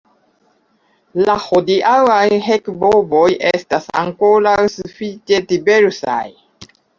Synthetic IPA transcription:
lahodiʔawajɦekbobo̞jʔestasa̰ŋkoɾawsufit͡ʃe̞tibe̞ɾsa̰j

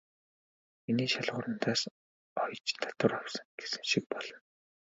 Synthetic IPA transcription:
miniːʃaɮʁʊːɾə̆n̥t̪ʰaːs | ɔjt͡ɕt̪ʰḁt̪ə̆rawsə̆ŋɡ̥esɘ̆ŋʃik̚pɔɮ̥ɞ̆n

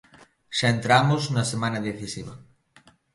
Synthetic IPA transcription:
ʃaent̪ɾamoznɐsemãnaðeθisiβɐ

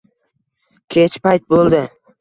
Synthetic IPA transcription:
kʲʰet͡ʃpajt̪̚bolˠd̪ɪ

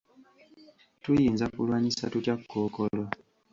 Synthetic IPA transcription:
tujiːnzakṵlwaːɲisa̰tucakːoːkolo

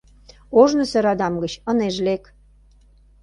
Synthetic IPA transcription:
oʒnə̆seɾɑd̪ɑmɡə̆t͡ɕə̆neʒlek

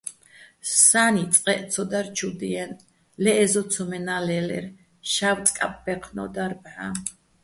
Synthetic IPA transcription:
sanit̪sʼqʼɛʔt̪sʰɔd̪aɾt͡ʃʰud̪iɛn | lɛːzɔt̪sʰɔmɛnalɛlɛ̰ɾ | ʃawt̪sʼkʼa̰p̚ʼbɛqʰnɔ̰d̪aɾbʕa

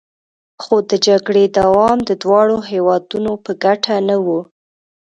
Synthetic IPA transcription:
xod̪əd͡ʒaɡɽed̪awɑmd̪əd̪wɑɽoɦewɑd̪unopəɡaʈʰanawu

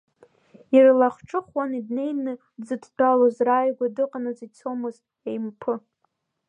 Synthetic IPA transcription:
irlaχʈ͡ʂʼɨχwanidne̞jnɨ | zɨddʰʼalozraːjɡʷadɨqʼanɨzit͡sʰomɨztʼ | ejmpʰɨ

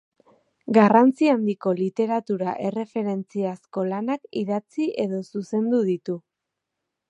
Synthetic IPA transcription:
ɡarant͡siand̪iko̞lit̪e̞ɾat̪uɾaʔe̞re̞fe̞ɾe̞nt͡siasko̞lanakiðat͡siʔe̞ðo̞suse̞nd̪uð̞it̪u

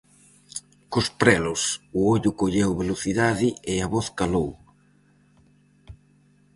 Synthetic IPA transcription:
kʊspɾɛlʊsʊoʎʊkoʎewβeloθiðaðɪɪaβɔθkalow

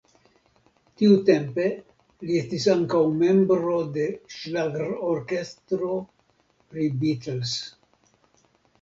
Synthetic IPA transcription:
tiute̞mpe̞ | liest̪isaŋkawme̞mbɾo̞d̪e̞ʃlaɡɾoɾke̞stɾo̞ | pɾibitels

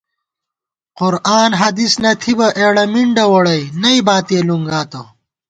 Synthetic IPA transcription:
qʊɾaːnɦɐd̪isnɐt̪ʰibɐʔeːɽɐmiɳɖɐwɐɽɐjnɐibaːt̪eːluŋɡaːt̪o

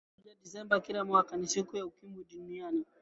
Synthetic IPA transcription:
d͡ʒaɗisɛmbakilamwakanisikujaukimbuɗuniani

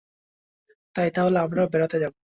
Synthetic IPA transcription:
t̪ajt̪aɦoleamɾabɛɾot̪ed͡ʑabu

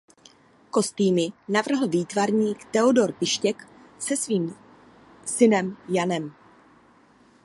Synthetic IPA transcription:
ko̞st̪iːmɪnavr̩ɦl̩viːt̪vaɾɲiːkt̪ɛodo̞ɾpɪʃcɛk | sɛsviːm | sɪnɛmjanɛm

